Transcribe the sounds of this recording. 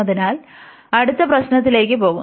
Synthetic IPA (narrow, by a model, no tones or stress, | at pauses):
ɐðinaːl | ɐɽut̪ːɐprɐɕnɐt̪̬ːile̞ːkːɨpo̞ːɣu